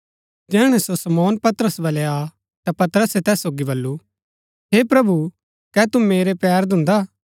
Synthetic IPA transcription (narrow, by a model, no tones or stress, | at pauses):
d͡ʒɛːɽ̃ɛ̃sosɐmɔːnpɐt̪əɾəsbɐlɛa | t̪apɐt̪əɾəset̪ɛːsːoːɡibɐlːu | ɦepɾɐbu | kɛːt̪umeːɾepɛːɾd̪ʊ̃nd̪a